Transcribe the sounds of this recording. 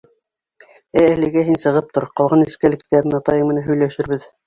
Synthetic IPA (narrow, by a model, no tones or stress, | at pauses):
æælɘ̆ɡæɦinsɤ̆ʁɤp̚t̪oɾqɑlˠʁɑnɘ̆skælɘ̆k̚t̪æɾɘnɑt̪ɑjɤmɤ̆nɑɦɵ̆jlæʃɘɾβɘð